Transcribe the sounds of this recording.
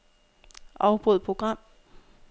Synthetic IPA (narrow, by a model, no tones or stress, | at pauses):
ʔɑʊb̥ʁoð̩ˠpʰʁo̝ɡ̥ʁɑ̈m̰